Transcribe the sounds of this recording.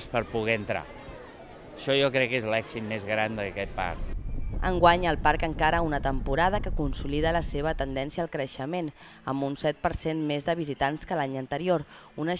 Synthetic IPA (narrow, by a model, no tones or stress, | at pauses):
spəɾpuɣɛənt̪ɾa̰ | əʃɔjɔkɾɛkːezlɛksit̪mezɣɾand̪əkɛt̪̚pa̰ɾkə̰ŋɡwaɲəlˠpaɾkəŋkaɾəunət̪əmpuɾað̞əkəkunsuliðələseβ̞ət̪ənd̪ɛnsiəːlˠkɾəʃəmen | ə̰mbunsɛt̪̚pəɾsenmezðəβizit̪anskəlaɲənt̪əɾioɾ | unə